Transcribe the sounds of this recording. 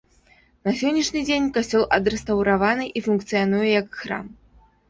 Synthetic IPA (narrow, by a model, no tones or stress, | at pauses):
nɐsʲɔnʲːiʂnʲɨd͡zʲenʲkasʲt͡sʲɔlˠʔɐd̪ɾɛst̪ɐwɾavanɨʔifunkt̪sɨjanujɛjɐkxɾa̰m